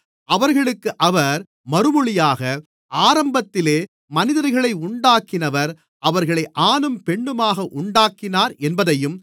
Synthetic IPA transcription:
ʔɐʋɐɾɣɐɭɯkːɯʔɐʋɐɾ | mɐɾɯmɯɭɪjaːɣɐ | ʔaːɾɐmbɐt̪ːɪleː | mɐnɪðɐɾɣɐɭɐɪʊɳɖaːkɪnɐʋɐɾ | ʔɐʋɐɾɣɐɭɐɪʔaːnɯmpɛɳːɯmaːɣɐʔʊɳɖaːkɪnaːɾɛnbɐðɐjɯm

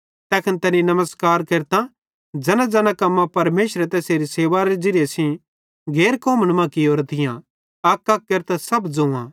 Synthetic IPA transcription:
t̪ɛːkʰɐnt̪ɛnĩnɐməskaːɾkeːɾt̪ã | d͡ʒɐnãd͡zɐnãkɐmːãpɐɾmeːʃɾɛt̪ɛseːɾiseːʋaɾed͡ʒɪɾjesĩ | ɡʱeːɾkoːməñmãːkioːɾt̪ʰɪjã̰ | ɐkːɐk̚ːeːɾt̪asɐbd͡zoã

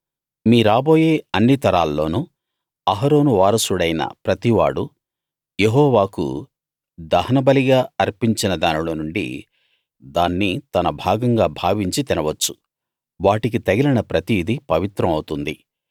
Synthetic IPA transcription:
miːɾaːbo̞ːje̞ːɐnːit̪ɐɾaːlːo̞ːnuː | ɐɦɐɾo̞ːnuʋaːɾɐsuɽɐjnɐ̰pɾɐt̪iʋa̰ːɽu | jeɦɔːʋaːkṵ | d̪ɐhɐnɐbɐliɡaːɐɾpiɲt͡ʃinɐd̪aːnilo̞ːnuɳɖḭ | d̪aːnːit̪ɐnɐbʱaːɡɐŋɡaːbʱaːʋiɲt͡ʃit̪inɐʋɐt͡ʃːu̥ | ʋaːʈik̬it̪ɐɡɛlinɐpɾɐt̪iːd̪ipɐʋit̪ɾɐmɐwut̪und̪i

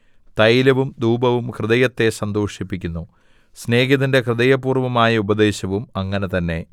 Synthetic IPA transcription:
t̪ɐjilɐʋumd̪uːbɐʋumkrɨðɐjɐt̪ːe̞sɐnd̪oːʂipːikʲːunːu | sne̞ːɡiðinde̞krɨðɐjɐpuːrʋɐmaːjɐubɐd̪e̞ːɕɐʋumɐŋːɐne̞t̪ɐnːe̞

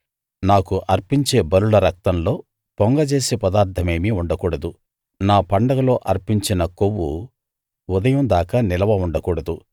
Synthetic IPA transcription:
naːkuʔɐɾpiɲt͡ʃe̞ːbɐɾuɭɐɾɐk̚t̪ɐmlo̞ː | pɔŋɡɐt͡ʃe̞ːsepɐd̪aːɾt̪ʰɐme̞ːmiuɳɖɐkuːɽɐd̪u | naːpɐɳɖɐɡɐlo̞ːʔɐɾpiɲt͡ʃinɐkowːṵ | ud̪ɐjɐmd̪aːkaːnilɐʋɐuɳɖɐkuːɽɐd̪u

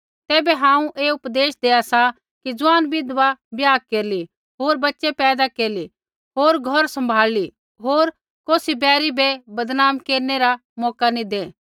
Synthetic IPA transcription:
t̪ɛːbɛɦãːũʔeːʊpd̪eːʃd̪eːasa | kid͡zʊãːnbɪd̪ʋabjaːkeːɾli | ɦoːɾbɐtːʃepɛːd̪akeːɾli | ɦoːɾɡʱɔɾsɐ̃mbʱaːli | ɦoːɾ | koːsibɛːɾibɛbɐd̪naːmkeːɾneɾamɔːkanĩd̪eː

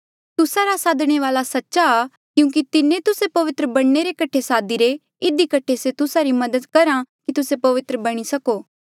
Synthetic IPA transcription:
t̪ʊsaɾasaːd̪ɽ̃eʋaːlasɐtːʃa | kjũːk̬it̪ɪnẽt̪ʊsepɐʋɪt̪ɾəbɐɽneɾekɐʈʰesaːd̪iɾe | ɪd̪ikɐʈʰeset̪ʊsaɾimɐd̪əd̪kɐɾakit̪ʊsepɐʋɪt̪ɾəbɐɽ̃isɐkoː

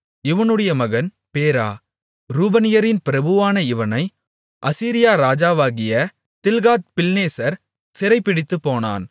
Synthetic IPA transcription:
ɪʋɐnɯɽɐjɐmɐɣɐn | peːɾaː | ɾuːbɐnɪjɐɾɪnpɪɾɐbɯʋaːnɐɪʋɐnɐɪ | ʔɐsiːɾɪjaːɾaːd͡ʒaːʋaːɣɪjɐ | t̪ɪlɣaːt̪̚pɪlneːsɐɾ | sɪɾɐɪpːɪɽɪt̪ːɯpːoːna̰ːn

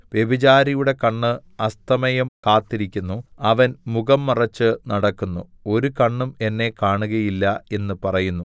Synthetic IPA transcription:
ʋjebid͡ʑaːɾijuɽe̞kɐɳːɨɐst̪ɐmɐjɐmkaːt̪ːiɾikʲːunːuɐʋɐnmuɣɐmːɐrɐt͡ɕːɨnɐɽɐkːunːuo̞ɾukɐɳːume̞nːe̞kaːɳuɣɐjilːɐe̞nːɨpɐrɐjunːu

